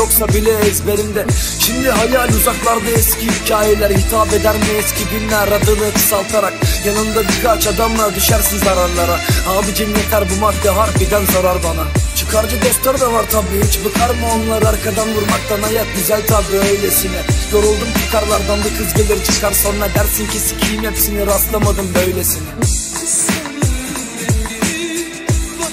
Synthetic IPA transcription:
joksabilʲɛɛsbe̞ɾimd̪ɛ | ʃimd̪iɦajalʲuzaklˠaɾb̪ɯɛscʰiicʰaːjelʲæɾhit̪ʰaːpe̞d̪æɾmiɛscʰʲid̪inːʲæɾɾad̪ɯmɯt̪ʰɯ̥salˠt̪ʰaɾakjanɯnd̪abiɾkʰat͡ʃad̪amlˠad̪yʃæɾsinzaɾaɾlˠaɾahaːbɯɟʰimːɛt̪lʲæɾbumat̪ːɛɦaɾfid̪ænzaɾaɾbanat͡ʃʰɯ̥kʰaɾd͡ʒɯd̪ɛft̪ʰaɾd̪avaɾt̪ʰabit͡ʃʰbɯkʰaɾmaonlˠaɾaɾkʰad̪anvuɾmak̚t̪anajat̪̚ɟyzælʲt̪ʰabɾiøjlʲesinɛj̪oɾulˠd̪umt͡ʃʰɯkʰaɾlˠaɾd̪anbukʰɯzɡelʲeɾit͡ʃʰɯ̥kʰaɾsonɾad̪æɾsincʰesi̥cʰijimepʰi̥siniɾast̪lˠamad̪ɯmbø̞jlʲesin

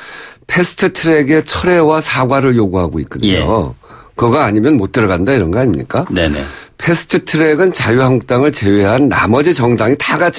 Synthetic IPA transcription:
pʰe̞sʰɯ̥tʰɯtʰɯɾe̞ɡe̞t͡ɕʰʌɾe̞wasʰaɡwaɾɯɭjoɡuɦaɡoik͈ɯɲo̰kɯɡaːɲimjʌnmot̚t͈ɯɾʌɡandaiɾʌnɡeaɲimɲḭk͈anenḛpʰe̞sʰɯ̥tʰɯtʰɯɾe̞ɡɯnt͡ɕajuɦaŋk̚t͈aŋɯɭt͡ɕe̞weɦanːa̰mʌd͡ʑit͡ɕʌŋdaŋitaɡat͡ɕʰ

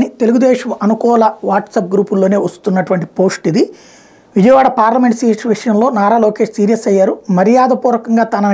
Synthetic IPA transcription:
nit̪e̞luɡud̪ɛːʃɐmɐnukɔːlɐʋaːʈsɐp̚ɡɾuːpulːo̞ːne̞ːʋɐst̪unːɐʈuʋɐɳʈi̥po̞ːsʈid̪i | ʋid͡ʒɐjɐʋaːɽɐpaːɾlɐmeɳʈsiːʈʋiʂɐjɐmlo̞ːnaːɾaːloːke̞ːʂsiːɾijɐsɐjːaːɾumɐɾijaːd̪ɐpuːɾɐkɐŋɡaːt̪ɐnɐ

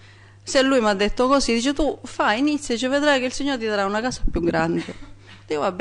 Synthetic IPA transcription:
selːujmad̪ːet̪ːokosid̪iːt͡ʃet̪ufainit̪sːjd̪ːt͡ʃeved̪ɾajkeilsiɲːoɾt̪id̪aɾaunakaːsapjuɡɾand̪e | d̪ivab

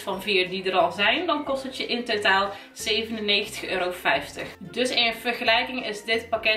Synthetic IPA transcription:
fɑnviːrdidəɾɑlˠzɛjndɑnkɔstətjəʔɪntotaːlˠ | z̥eːvənəneːxəntə̥xøːɾowfɛjftəxdɵsɪnənv̥ərxəlɛjkɪŋɪzdɪtpakɪ

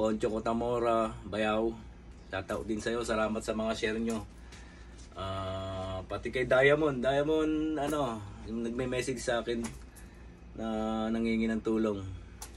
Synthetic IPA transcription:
ko̞nt͡ʃokot̪ɐmo̞ːɾabɐjaw | t̪aːt̪ɐʔod̪ɪnsɐjo̞sɐlaːmɐt̪̚sɐmɐŋaʃɛɾɲo̞ | ʔaːpɐt̪ɪkɐjd̪aːjɐmond̪aːjɐmonɐno̞nɐɡ̚mɛmɛːsɪɡsɐʔaːkɛnː | ɐnɐŋiːŋɪnɐŋt̪uːlo̞ŋ

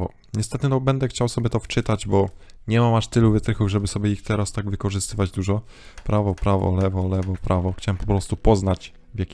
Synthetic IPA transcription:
ɔ̰ | ɲɛst̪ɛt̪ɲɔnɔbɛnd̪ɛxt͡ɕawsɔbʲjɛt̪ɔft͡ʂɘt̪ad͡ʑbɔɲɛmamaʂt̪ɘluvɘt̪ɾɘxuvʐɛbɘsɔbʲjɛixt̪ɛɾast̪aɡvɘkɔʐɘst̪ɘvad͡ʑd̪uʐɔpɾʔavɔpɾavɔ̰lɛvɔlɛvɔpɾʔavɔxt͡ɕawɛmpɔpɾɔst̪upɔznat͡ɕ | vʲjakʲi

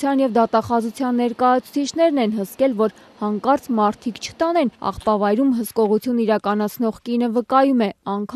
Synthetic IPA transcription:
jɑnjɛvd̪ɑt̪ɑχɑzut͡sʰjɑnːɛɾkɑjɑt͡sʰu̥t͡sʰit͡ʃʰnɛɾnɛnɦəskɛlvɔɾ | hɑŋkɑɾt͡smɑɾt̪ʰikt͡ʃʰə̥t̪ɑnɛnɑ̰χpɑvɑjɾumɦəskɔʁut͡sʰjuniɾɑkɑnɑt͡sʰnɔʁkinəvəkɑjumɛɑŋkʰ

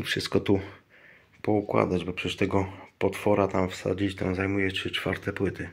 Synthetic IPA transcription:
fʂɨst̪̚kɔt̪u | pɔukwa̰d̪ad͡ʑbɔpʂɛst̪ɛɡɔpɔt̪fɔɾat̪amfsa̰d͡ʑit͡ɕt̪ɛ̰̃w̃zajmujɛɘt͡ʂfa̰ɾt̪ɛpwɘt̪ʰɘ

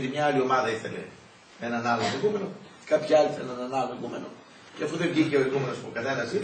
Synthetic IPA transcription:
t̪imɲɐɐlio̞mɐðɐiθe̞̰le̞̰ | enɐnɐloɣume̞no̞̥ | kɐpçiɐliθenenɐnɐloeɣume̞no̞̰ | ceɐfuðevʝiniceoiɣume̞nopokɐθenɐsi

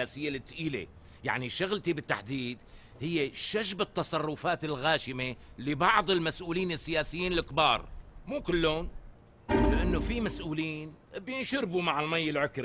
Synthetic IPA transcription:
aːsɪjːelɪt̪ːʔiːlḛ | ja̰ʕniʃʊɣlt̪ibɪt̪ːa̰ħd̪iːd̪ | hɪjːeʃaʒbɪt̪ːɑsˤɑrˤːʊfaːt̪ɪlɣaːʃɪmelɪbɑʕðˤɪlmasʔuːliːnɪsːɪjaːsɪjːiːnɪlɪkbɑːɾˤmuːkɪlːʊn | lɪʔanːofimasʔuːliːn | bjɪnʃʊɾbumaʕɪlmajːɪlʕʊkɾi

